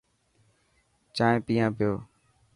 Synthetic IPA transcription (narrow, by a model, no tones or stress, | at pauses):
t͡ʃãːẽːpiːãːpɪjoː